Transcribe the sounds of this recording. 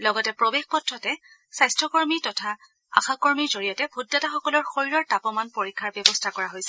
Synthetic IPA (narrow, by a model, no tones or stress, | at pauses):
lɔɡɔtɛpɹobexpɔtʰɹɔtɛ | sajstʰɹɔkɔɹmitɔtʰa | a̰xakɔɹmiɹzoɹijɔtɛbʱudːataxɔkɔlɔɹxoɹiɹɔɹtapɔmanpoɹikʰːaɹbjɛbɔstʰakɔɹaɦojsɛ̥